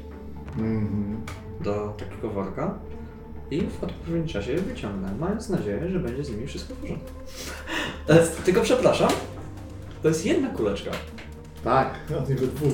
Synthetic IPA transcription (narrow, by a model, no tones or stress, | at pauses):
m̩mm̩ | d̪ɔt̪akʲɛɡɔvɔɾka | ivɔt̪pɔvʲɛɲʲit͡ʂaɕɛvɘt͡ɕɔŋɡnɛmajɔ̃nt̪snad͡ʑejɛʐɛbɛɲd͡ʑɛzɲimʲifʂɨst̪kɔvɔʐɔnɛ | t̪ɛst̪t̪ɘlkɔpʂɛpɾaʂam | t̪ɔjɛst̪ʲjɛd̪nakulɛt͡ʂka̰ | t̪akɔt̪ivɨvu